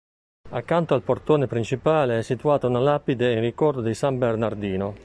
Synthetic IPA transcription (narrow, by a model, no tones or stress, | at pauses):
akːant̪oalpoɾt̪oːnepɾint͡ʃipaːleɛsːit̪uaːt̪aunalapːid̪einrikɔɾd̪od̪esambernaɾd̪iːno